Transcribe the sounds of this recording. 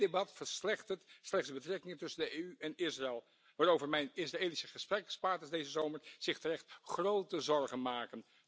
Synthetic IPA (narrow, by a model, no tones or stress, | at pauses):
debɑtfəɹslɛχtətslɛχtsdəbətrɛkɪŋəntɵsəndəeyɛnɪsraɛlˠ | ʋaːɾowvəɹmɛjnɪsraeːlisəχəsprɛkspaːɹtəsdejzəzowməɹz̥ɪχtərɛχtχrowtəzɔɹχənmaːkən